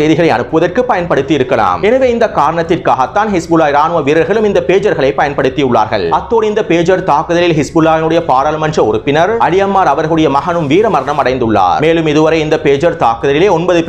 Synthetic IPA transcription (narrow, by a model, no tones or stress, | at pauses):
ɐjðɪɣɐɭɐɪɐ̰nɯpːɯʋɐðɐrkɯpːɐjɐnpɐɽɯt̪ːɪjɪɾɯkːɐla̰ːmɛnɐʋeːɪnd̪ɐkaːɾɐɳɐt̪ːɪrkaːɣɐt̪ːaːnhɪsbɯlaːjɪɾaːnɯʋɐʋiːɾɐɾɣɐɭɯmɪnd̪ɐpeːd͡ʒɐɾɣɐɭɐɪpːɐjɐnpɐɽɯt̪ːijɯɭːa̰ːɾɣɐ̰ɭɐt̪ːoːnɪnd̪ɐpeːd͡ʒɐɾt̪aːkɯðɐlɪlɦɪsbʊlaːjɐnɯɽɐjɐpaːɽɐlmɐnd͡ʒrɐɔɾɯpːɪnɐɾɐlɪjɐmːaːɾɐʋɐɾɣɐɭɯɽɐjɐmɐɦɐnɯmʋiːɾɐmɐɾɐɳɐmɐɽɐɪnd̪ɯɭːa̰ːɾmeːlɯmɪðɯʋɐɾɐɪɪnd̪ɐpeːd͡ʒɐɾt̪aːkɯðɐlɪleːɔnbɐðɯp